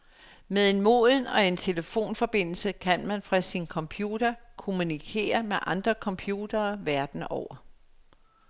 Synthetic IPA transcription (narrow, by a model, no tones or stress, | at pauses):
meðˠe̝nmo̝̰ðˠn̩ɒ̽e̝nt͡sʰe̝ləfo̝̰ːnfɒ̽b̥e̝n̰l̩səkʰænmænfʁɑ̈sinkʰɒ̽mpʰjuːd̥ɐkʰo̝munikʰe̝̰ːɐmeʔɑ̈nd̥ʁɐkʰɒ̽mpʰjuːd̥ɐːʋæɐd̥n̩ɒʊ̰ɐ